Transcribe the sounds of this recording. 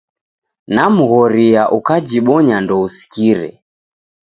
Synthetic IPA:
namuɣɔɾiaʔukad͡ʒiɓɔɲandɔusi̥kiɾɛ̰

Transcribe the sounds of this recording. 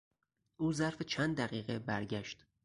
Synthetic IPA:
ʔuːzæɾfet͡ʃʰænd̪d̪æɣiːɣebæɾɟæʃt̪

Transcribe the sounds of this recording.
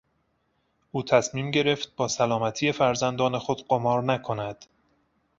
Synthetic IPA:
ʔuːt̪ʰæsmiːmɟe̞ɾe̞ft̪̚bɒːsælɒːmæt̪ʰije̞fæɾzænd̪ɒːne̞xod̪̥ɢomɒːɾnækʰo̞næd̪̥

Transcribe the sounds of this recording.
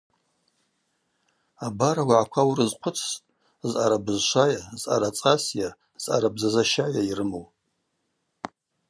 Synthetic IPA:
abaɾawaʕakʷʰawrɨzqʷʰʊt͡sʰːʼ | zʔaɾabɨzʃʷajazʔa̰ɾat͡sʼasja | z̥ʔa̰ɾabzazaʃajairɨmow

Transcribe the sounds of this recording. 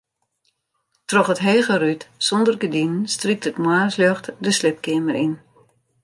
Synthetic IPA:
trɔχətɦeːɣərytsɔndərɡədinnstrik̚tətmwaːsløxtdəslɪp̚kɪəmərin

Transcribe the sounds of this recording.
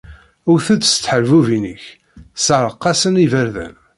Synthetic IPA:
ʊɾθæd̪st̪ːħəɾvuvinəç | səɾˤəqːɑsənivəɾðæ̰n

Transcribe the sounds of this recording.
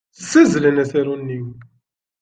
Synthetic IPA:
θsːæzlənæθæɾunːiw

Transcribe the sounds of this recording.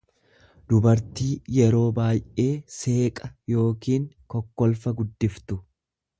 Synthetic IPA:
d̪ʊbɐɾt̪iːjɛɾo̞ːbaːjʔe̞ːse̞ːkʼɐjo̞ːkiːŋ | kɔkːɔlfɐɡʊd̪ːɪft̪ʊ

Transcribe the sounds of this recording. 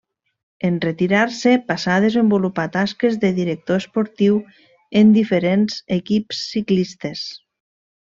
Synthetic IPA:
enret̪iɾaɾsepasaðezembulupat̪askezðeðiɾek̚t̪oespoɾt̪iw | end̪ifeɾenz̥ekipsːiklist̪es

